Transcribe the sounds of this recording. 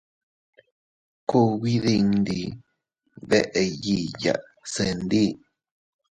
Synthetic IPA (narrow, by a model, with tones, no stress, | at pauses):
ku˧βi˦ði˧ŋd̪i˧ | βḛ˦ʔe˧ji˧˨ja̰˨ʔ | se˧nd̪i˦˨